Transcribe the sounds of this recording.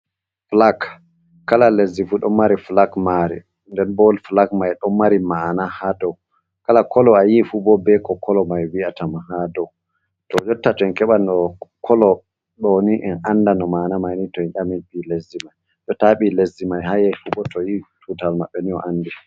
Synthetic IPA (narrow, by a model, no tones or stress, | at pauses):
flak | kːalalezifuɗɔmmːaɾiflakmaɾḭ | ndɛnbɔlflakmajɗɔmmːaɾimanahadɔw | kalakʰɔlɔajifubɔbɛkɔkʰɔlɔmajwiatamahadɔw | tɔd͡ʒɔtːatɔɛnkɛɓanɔkʰɔlɔ | ɗɔniʔɛnandanɔmanamajnitɔɛnʔaminɓilezimaj | ɗɔtaɓilezːimajhajɛfubɔtʰɔjitutalmaɓːɛniɔ̰ʔandi